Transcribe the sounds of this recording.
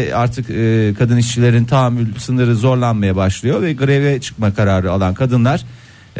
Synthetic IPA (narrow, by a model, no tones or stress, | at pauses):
aɾt̪ʰɯkːkʰad̪ɯniʃt͡ʃʰilʲe̞ɾint̪ʰaːmːylʲsɯnɯɾɯzo̞ɾlˠanmajabaʃlˠɯjo̞vɛɡɯɾevɛt͡ʃʰɯ̥kmakʰaɾaːɾɯalˠankʰad̪ɯnlˠaɾ̥